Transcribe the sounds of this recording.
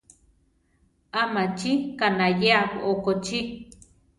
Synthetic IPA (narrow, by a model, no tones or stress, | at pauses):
amat͡ʃikanajeakoʔokot͡ʃi